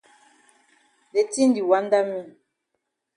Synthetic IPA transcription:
de˨ti˦n˦di˨wa˨˦n˦da˦mi˦˨

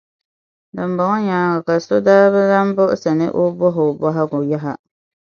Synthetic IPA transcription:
dɨ˨m̩bɔ˨ŋɔ˦ɲaː˨˦ɡa˨ka˨so˦daː˦βɛ˦za˦m˦bʊ˦ʔʊ˦sa˨nɨ̰˦ʔʊ˦bɔ˦ɦʊ˨bɔ˦ɦa˦ɡʊ˨ja˦ɦa˨

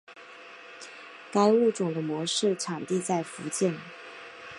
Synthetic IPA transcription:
ka˥ɪu˥˩ʈ͡ʂʊ˨˩ŋd̪ə˦mwɔ˧˥ʂɻ̩˥˩ʈ͡ʂʰɑ˨˩ŋt̪i˥˧t͡sa˥˩ɪfu˧˥t͡ɕjɛ˥˩n

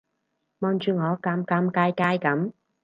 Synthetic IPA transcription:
mɔː˧nt͡ʃyː˨˧ŋɔː˨˧˦kaː˧mkaː˧mkaː˧jkaː˧jkɐ˨˥m

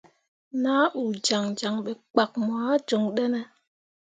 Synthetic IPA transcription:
naː˦u˨d͡ʒa˨ŋd͡ʒa˨ŋɓe˨k͡pa˨k̚mwaː˨˦d͡ʒo˨ŋɗɛ˦nɛ˦˨

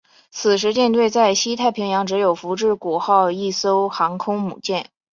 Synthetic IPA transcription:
t͡sʰɹ̩˨˩ʂ̬ɻ̩˧˥t͡ɕjɛ˥˧nt̪we˥˧ɪt͡sa˥˩ɪɕi˥t̪ʰa˥˩ɪpʰi˧˥ŋjɑ˧˥ŋʈ͡ʂɻ̩˧˥jo˨˩ʊfu˧˥ʈ͡ʂɻ̩˥˩ku˨˩xɑ˥˧ʊi˥˩so˥ʊxɑ˧˥ŋkʰʊ˥ŋmṵ˨˩t͡ɕjɛ˥˩n

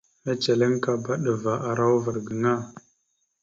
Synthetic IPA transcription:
me˦t͡ʃe˨le˦ŋka˨ba˦ɗə˨va˨ʔa˨ɾa˦wvə˨ɾɡə˨ŋa˦˨

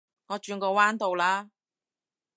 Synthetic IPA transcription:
ŋɔː˨˧t͡ʃyː˧nkɔː˧waː˥nt̪o˨wlaː˧

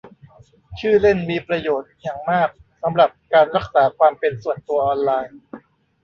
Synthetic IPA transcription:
t͡ɕʰɯː˥˩le˥˩nmiː˧pɾa˧joː˨˩t̪̚jaː˨˩ŋmaː˥˩k̚ | sa˩˦mɾa˨˩p̚kaː˧nɾa˦˥˩k̚saː˩˦kʰwaː˧mpe˧nsu˨˩ənt̪u˧ɐʔɔː˧nlaː˧j

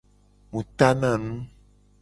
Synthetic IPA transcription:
mũ˨t̪a˦nã˦˨nũ˦

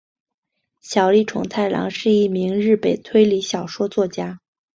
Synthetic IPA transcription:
ɕjɑ˨˩ʊli˥˩ʈ͡ʂʰʊ̰˧˥˩ŋt̪ʰa˥˩ɪlɑ̰˧˥ŋʂɻ̩˥˧i˥˩mi˧˥ŋɻɻ̩˥˩pe˨˩ɪt̪ʰwe˥ɪli˧˥ɕjɑ˨˩ʊʂwɔ˥t͡swɔ˥˩t͡ɕja˥

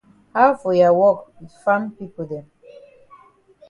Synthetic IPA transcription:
ha˦ʊfɔ˨ja˨wɔ˦kwi˨dfã˦mpi˦po˨dɛ̃˨m

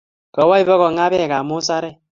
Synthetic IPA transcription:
kɔ˨wa˦i˨bɔ˦kɔ˨ŋa˦bɛ˦˨ka˨mu˦sa˦ɾɛ˦

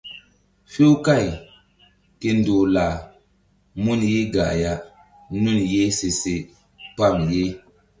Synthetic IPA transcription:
fe˦wka˦˨j | ke˦n˦doː˨la˨ | mu˦nje˦ɡa̰˨ja˨ | nu˦˨nje˦se˨se˨ | pa˦˨mje˦

